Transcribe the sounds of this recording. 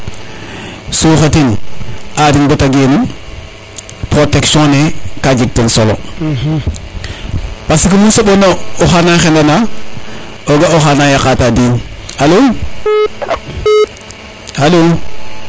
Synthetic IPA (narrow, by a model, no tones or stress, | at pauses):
suxatinadinbotaɡenu | pɾoteksõnekad͡ʒiɡ̚tensolo̰ | pasikumunsoɓonooxanaxendana | oɡaoxanajakatadiːnalo | alo